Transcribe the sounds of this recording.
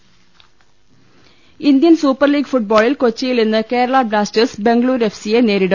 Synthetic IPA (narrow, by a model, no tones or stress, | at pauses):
ind̪jɐnsuːpːɐrliːɡfuʈ̚boːɭilkot͡ɕːɐjilninːɨke̞ːɾɐɭaːblaːstɨsbe̞ŋɡɭuːɾe̞fsijene̞ːɾiɽɨ